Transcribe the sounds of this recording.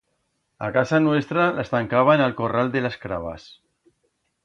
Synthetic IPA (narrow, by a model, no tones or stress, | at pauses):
akasanwest̪ɾalast̪aŋkaβ̞aenelkorald̪elaskɾaβ̞a̰s